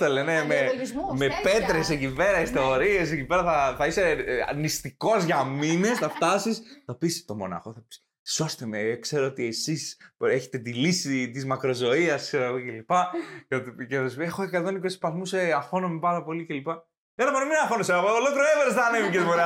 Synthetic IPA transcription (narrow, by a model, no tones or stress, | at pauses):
elenemezmepe̞t̪ɾesecipe̞ɾɐist̪o̞ɾie̞s̬ecipe̞ɾɐθɐθɐiseɐ̰nist̪iko̞zʝɐmine̞sθɐft̪ɐsisθɐpist̪o̞mo̞̰nɐ̰xo̞θɐpi̥ | so̞st̪emekse̞ɾoot̪ie̞siseçet̪e̞t̪ilisit̪izmɐkɾo̞zo̞iɐskseɾoɐɣoce̞lipɐt̪iceθɐsipexoekat̪o̞nikosi̥pɐzmuseɐfo̞nomipɐɾɐpo̞lice̞lipɐ | eɾɐmonominɐfo̞noseɐɣoolokɾoeveɾsðɐnevicesmoɾe